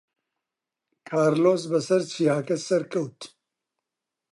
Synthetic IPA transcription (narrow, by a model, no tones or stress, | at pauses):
kʰaːɾloːs̬bɐsɐɾt͡ʃʰiaːkɐsɐɾkʰɐwt̪